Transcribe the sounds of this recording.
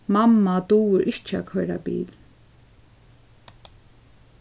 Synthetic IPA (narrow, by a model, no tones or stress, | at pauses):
mamːat̪uːwɪɾʔɪht͡ʃːa̰kʰœɾa̰bḭːl